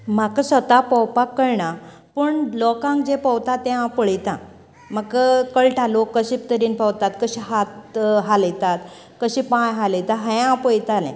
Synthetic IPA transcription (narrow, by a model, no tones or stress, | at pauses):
m̤akasət̪apəwpakːəɾɳa | pəɳlɔkãŋkd͡ʑepəwt̪at̪ːɛ̃ãpəɭjt̪ã | məɡkəkəɭʈʰalokːəɕip̚t̪əɾiːnpəwt̪at̪kəɕiɦat̪ɦaləjt̪at̪ | kəɕĩpãjɦaləjt̪ãɦə̃ãpəɭjt̪alɛ̰̃